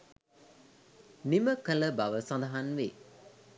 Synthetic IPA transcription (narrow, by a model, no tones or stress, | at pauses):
niməkələbaʋəsɐ̃nd̪ɐɦanʋe